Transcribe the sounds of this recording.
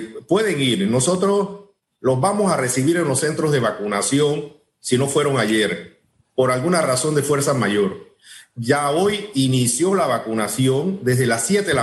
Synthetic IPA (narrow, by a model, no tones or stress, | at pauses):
pwe̞ðe̞ŋiɾno̞so̞t̪ɾo̞s | lo̞zβamo̞sare̞siβiɾe̞nlo̞sse̞nt̪ɾozðe̞β̞akunasjo̞ŋ | sino̞fwe̞ɾo̞ŋaʎeɾ | po̞ɾalɣunaraso̞nd̪e̞fwe̞ɾsamaʝo̞ɾ | ʝaojinisjo̞laβakunasjo̞ŋd̪e̞zðe̞lasje̞t̪ea